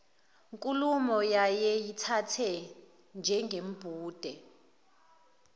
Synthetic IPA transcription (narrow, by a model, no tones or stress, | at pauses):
ŋkʼulumɔjajɛjitʰatʰɛ | nd͡ʒʱɛŋɡʱem̩b̥ʱuːd̥ʱɛ